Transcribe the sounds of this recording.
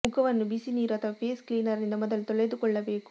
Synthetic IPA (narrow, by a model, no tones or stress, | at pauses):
mʊkʰɐʋɐnːubisiniːɾuɐt̪ʰːɐʋɐpeːskliːnɐɾind̪ɐmɔd̪ɐlt̪ɔɭɐjd̪ɯkɔɭːɐbeːku̥